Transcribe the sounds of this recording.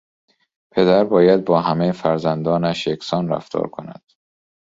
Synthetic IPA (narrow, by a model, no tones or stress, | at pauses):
pʰe̞d̪æɾbɒːjæd̪̚bɒːɦæmejfæɾzænd̪ɒːnæʃjekʰsɒːnræ̰ft̪ʰɒ̰ːɾkʰo̰næ̰d̪̥